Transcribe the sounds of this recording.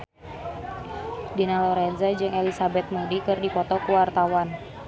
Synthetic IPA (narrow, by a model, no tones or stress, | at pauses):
dinalɔɾɛnzad͡ʒɨŋelisabɛt̪̚mudikɨrdipɔt̪ɔkuwart̪awan